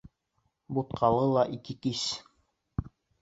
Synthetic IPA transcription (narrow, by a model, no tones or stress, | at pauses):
but̪̚qʰɑlˠɤlˠɑʔikɘkis